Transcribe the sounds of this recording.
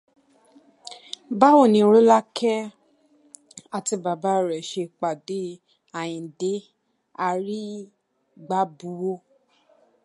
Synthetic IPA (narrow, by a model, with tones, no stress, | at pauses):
ba˦wo˦˨nĩ˧˦ɾo˦la˦kʰɛ˦ | a˧ti˧ba˨ba˦˨ɾɛ˨ʃe˧k͡pa˨de˨˦ | a˨j̃ĩ˨de˨˦ | a˧ɾi˦ | ɡ͡ba˦bu˨˦wo˦